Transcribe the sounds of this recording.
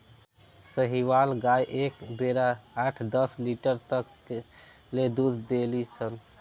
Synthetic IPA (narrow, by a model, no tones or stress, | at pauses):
səɦiʋalɡajʔekbeɾaːʈʰd̪əsliʈəɾt̪əkː | led̪ud̪ʱd̪elit͡ʃʰən